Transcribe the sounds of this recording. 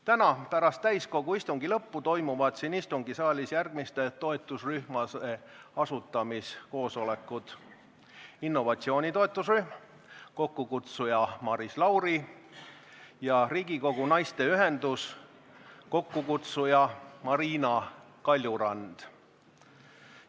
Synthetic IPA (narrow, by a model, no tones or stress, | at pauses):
t̪ænɑpæɾɑst̪ːæjsko̞ɡ̥uist̪uŋɡilɤpːut̪o̞jmuvɑd̪̥sinist̪uŋɡisɑːlʲisjærɡ̥mist̪e̞t̪o̞et̪ːˑusryhmɑse | ɑsut̪ːˑɑmisko̞ːso̞le̞kːˑud̪̥ | inːo̞vɑt̪sio̞ːnʲit̪o̞e̞t̪ːˑusryhm | ko̞kːukut̪sujɑmɑɾislɑwɾi | jɑriːɡ̥iko̞ɡ̥unɑjst̪e̞yɦend̪us | ko̞kːukut̪sujɑmɑɾiːnɑ | kɑlʲːjuɾɑnd̪̥